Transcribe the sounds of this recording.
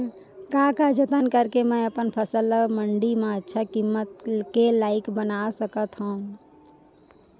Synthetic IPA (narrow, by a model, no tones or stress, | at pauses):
kakad͡ʒət̪ənkəɾkemə̃jəpənpʰəsəlːəɡməɳɖimẽətːʃʰakimːət̪kelaɪkbənasəkət̪ɦəũ